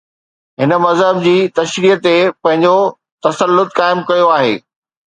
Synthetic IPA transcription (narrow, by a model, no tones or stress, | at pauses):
ɦɪnə̆mɐzɦəb̚d͡ʑiːt̪ɐʃɾiːət̪epɐ̃ɦɪ̃ɲd͡ʑo | t̪ɐsəlːʊt̪kaːɪmkɐjoaːɦḛː